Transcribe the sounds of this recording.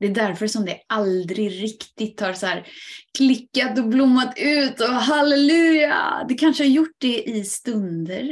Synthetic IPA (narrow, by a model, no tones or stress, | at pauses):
d̪ɛːd̪æɾfœɾʂɔmd̪ɛʔald̪ɾɪɡɾɪkt̪ɪt̪hɑɾsɔhæːɾkʰlɪkːat̪ɔblʊmːat̪ʉ̟ːt̪ɔɦalɛlʉ̟ːja̰d̪ɛkʰanʂəhaɾjʊʈːd̪ɛʔɪst̪ɵnd̪əɾ